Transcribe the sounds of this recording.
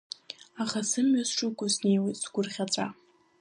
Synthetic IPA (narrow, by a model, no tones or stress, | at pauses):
aχasɨmɥasʂukʷʼʊsne̞jwejtsɡʷʊrχʲat͡ɕʷʼa